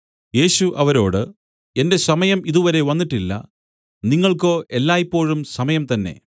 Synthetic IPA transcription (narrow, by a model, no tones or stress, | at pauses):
je̞ːɕuʔɐʋɐɾo̞̰ːɽɨ | e̞nde̞sɐmɐjɐmiðuʋɐɾe̞ʋɐnːiʈːilːɐ̰ | niŋːɐɭko̞ːʔe̞lːaːjipːo̞ːɻumsɐmɐjɐmt̪ɐnːe̞̰